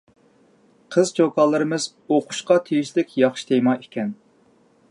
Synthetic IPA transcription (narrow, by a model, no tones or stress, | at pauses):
qʰəzt͡ʃʰokʰɑlˠɨɾɨmɨz | oqʰʊ̥ʃqɑt̪ʰejiʃlɪkʲjɑχʃi̥t̪ʰejmɑekʲʰɛn